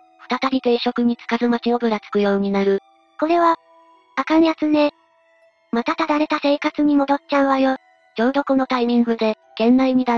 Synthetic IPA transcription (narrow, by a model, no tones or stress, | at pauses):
ɸɯ̟̥t̪at̪aɾʲit̪e̞ɕo̞kɯ̟ɲ̟it͡sɨ̥kazɨmat͡ɕio̞bɯ̟ɾat͡sɨ̥kɯ̟jo̞ːɲ̟inaɾɯ̟ | ko̞ɾe̞βa | akamʲiat͡sɨne̞ | mat̪at̪ad̪aɾe̞t̪ase̞ːkat͡sɨɲ̟imo̞d̪o̞t̚t͡ɕãɰ̃βajo | d͡ʑo̞ːd̪o̞ko̞no̞t̪aimʲĩŋɡɯ̟d̪e̞ | ɡ̥ẽ̞nːaiɲid̪a